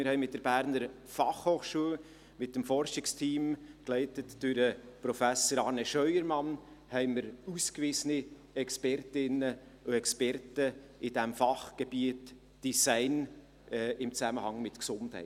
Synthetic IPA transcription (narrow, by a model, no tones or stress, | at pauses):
mɪɾhɛɪmɪt̚d̥əɾb̥æːɾnəɾ | fɑχhoːχʃuːəl | mɪt̚dəmfɔɾʃɪkstʰiːmklɛɪtətd̥ʉɾəpɾɔfæsəɾɑːɾneʃœʏəɾmɑn | hɛɪməɾuːskvizəni | ɛkspɛɾtɪnə | oɛkspɛɾtəʔɪd̥ɛmfɑχɡ̥ɛb̥iət | d̥isæɪn | ʔɛɪmt͡sæməhɑŋmɪtksʊnthɛ̰ɪ